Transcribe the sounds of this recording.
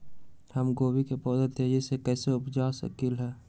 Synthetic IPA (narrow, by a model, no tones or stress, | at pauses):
həmɡoːwikepɔːd̪ət̪ed͡ʒɪsekɛːseʊpd͡ʒasə̰kilɦɛː